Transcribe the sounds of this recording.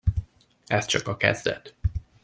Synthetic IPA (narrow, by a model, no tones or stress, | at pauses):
ɛst̪t͡ʃɒkɒkɛ̰zd̪ɛt̪